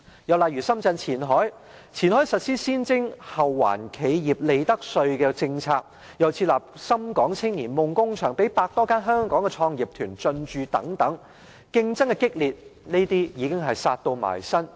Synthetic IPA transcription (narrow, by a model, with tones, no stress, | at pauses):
jɐ˨wla˨˩jyː˨˩sɐ˥mt͡sɐ˧nt͡sʰiː˨˩nɦɔː˨˥j | t͡sʰiː˨˩nhɔː˨˥jsɐ˨t̚siː˥siː˥nt͡sɪ˥ŋhɐ˨˩wːa̰ː˨˩nkʰe˨˧jjiː˨˩p̚le˨˧jt̪ɐ˥k̚sɵ˧ɥkɛː˧t͡sɪ˧ŋt͡sʰaː˧k̚ | jɐ˨wt͡sʰi˧t̚laː˨˩p̚sɐ˥mkɔː˨˥ŋt͡sʰɪ˥ŋjiː˨˩nmʊ˨ŋkʊ˥ŋt͡ʃʰœː˨˩ŋpe˨˥jpaː˧k̚t̪ɔː˥kaː˥nɦœː˥ŋkɔː˨˥ŋkɛ˧t͡ʃʰɔː˧ŋji˨˩p̚t̪ʰyː˨˩nt͡sɵ˧nt͡ʃyː˨t̪ɐ̰˨˥ŋt̪ɐ˨˥ŋ | kɪ˥ŋt͡sɐ˥ŋkɛ˧kɪ˥k̚liː˨˩t̚ne˥t̪iː˥jiː˨˧kɪ˥ŋɦɐ˨jsaː˧t̚t̪o˧wma̰ː˨˩jsɐ˥n